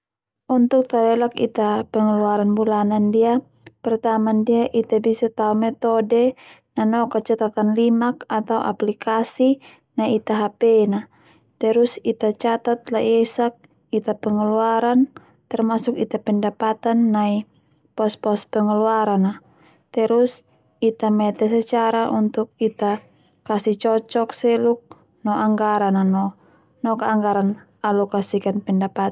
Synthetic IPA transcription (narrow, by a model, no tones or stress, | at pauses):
unt̪uk̚t̪alɛlakḭt̪apɛŋəluaɾanbulanandia | pɛrt̪amandiaʔit̪abisat̪aumɛt̪ɔdɛ | nanɔkat͡ʃat̪at̪anlimakat̪awʔa̰plikʰasi | naiit̪aɦapɛna | t̪ɛɾusit̪at͡ʃat̪at̪̚laʔjɛsak̚ | it̪apɛŋəluaɾan | t̪ɛrmasukit̪apɛndapat̪anːai | pɔspɔspɛŋəluaɾana | t̪ɛɾus | it̪amɛt̪ɛsɛt͡ʃaɾaʔunt̪uk̚it̪a | kasit͡ʃɔt͡ʃɔk̚sɛluk̚ | nɔʔaŋɡaɾananɔ | nɔkaːŋɡaɾan | alɔkasikanpɛndapat̪